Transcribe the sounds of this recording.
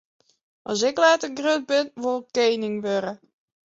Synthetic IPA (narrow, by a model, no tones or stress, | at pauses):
ʔɔsɪklɛːtəɡrød̚bɪnʋolˠkeːnɪŋʋøɾə